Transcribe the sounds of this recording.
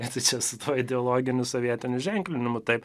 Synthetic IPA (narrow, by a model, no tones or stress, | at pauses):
ɪt̪ɐɪt͡ʃʲɛsʊt̪ʰuɔɪd̪ʲɛɔlˠoːɡʲɪnʲʊsoʋʲiɛt̪ʲɪnʲʊʒʲɛŋʲklʲɪnʲɪmʊt̪ɐɪp